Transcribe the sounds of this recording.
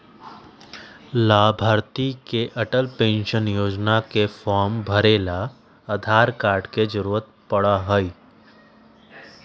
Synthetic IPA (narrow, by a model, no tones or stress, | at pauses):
laːbʱaːɾt̪ikeʔɐʈəlpẽːnʃənjoːd͡ʒnakefɔːɾmbʱəɾeːla | əd̪ʱaːɾkaːɾɖked͡ʒəɾuːɾət̪̚pəɽaɦoi